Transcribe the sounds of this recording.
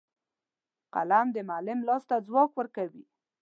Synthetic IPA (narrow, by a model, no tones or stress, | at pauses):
qa̰lamd̪əmalɪmlɑst̪ad͡zwɑkwəɾkawi